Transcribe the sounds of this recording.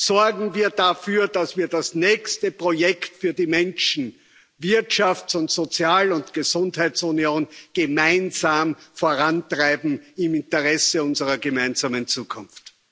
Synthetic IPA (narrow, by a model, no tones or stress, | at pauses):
sɔɐɡŋ̩viːɐdafyːɐdasv̥iːɐdasnɛːçstəpʁ̥ojɛktfyːɐdimɛnʃn̩ | vɪɐtʃaftsʊntz̥ot͡sjaːlʊntɡ̥əzʊ̃nthæɪtsunioːnɡ̥əmaɪnzaːmfoɐʁantʁ̥aɪbm̩ɪmɪntəʁɛsəʊnzəʁɐɡəmaɪnzaːmənt͡suːkʰʊnft